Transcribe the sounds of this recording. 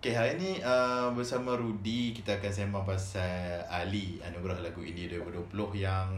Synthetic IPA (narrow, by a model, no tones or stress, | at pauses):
keɦaɾiniəbərsamaɾudikit̪aːkans̬emaŋpasaalia̰nuɡɾahlaɡuḭndiduibulduəpulʊhjaŋ